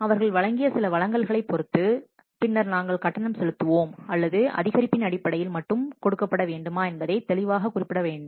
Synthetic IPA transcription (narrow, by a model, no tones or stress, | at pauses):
ɐʋɐɾɣɐɭʋɐɭɐŋɡɪjɐsɪlɐʋɐɭɐŋɡɐɭɣɐɭɐɪpːɔɾɯt̪ːɯ | pɪnːɐɾnaːŋɡɐɭkɐʈːɐnɐmsɛlɯt̪ːɯʋoːmɐlːɐðɯɐ̰ðɪɣɐɾɪpːɪnɐɽɪpːɐɽɐjɪlmɐʈːɯmkɔɽɯkːɐpːɐɽɐʋeːɳɖɯmaːɛnbɐðɐɪt̪ɛlɪʋaːɣɐkʊrɪpːɪɽɐʋeːɳɖɯm